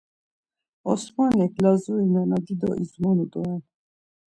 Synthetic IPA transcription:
ɔsmanɛkʰlazuinanad̪id̪ɔ̰ʔizmɔnud̪ɔan

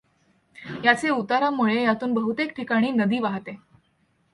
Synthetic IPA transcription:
jat͡seut̪aɾamuɭejat̪uːnbəɦut̪ek̚ʈʰikaɽ̃iːnəd̪iːʋaɦt̪e

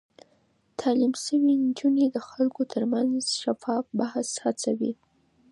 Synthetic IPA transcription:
t̪ʰɑlimsəwind͡ʒuned̪əxalkot̪ʰəɾmanzʃafɑfbahshat͡sawḭ

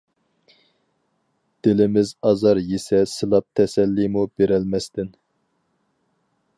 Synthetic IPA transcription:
d̪̥ɪlɪmɪzɑzɑɾjesɛsɨlˠɑp̚t̪ʰɛsɛlːimub̥eɾɛlmɛst̪ɪn

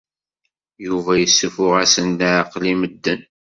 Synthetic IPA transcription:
juvæjəsːəfʊʁæsənːaʕqliməd̪ːən

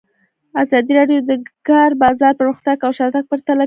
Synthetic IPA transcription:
azɑd̪iɾɑɖjod̪əɡɑɾbɑzɑɾpəɾuxt̪akawʃɑt̪ak̚pəɾt̪ala

